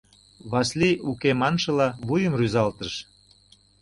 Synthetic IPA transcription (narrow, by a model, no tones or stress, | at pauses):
βɑsliukemɑnʃɤ̆lɑβujəmryzɑlt̪əʃ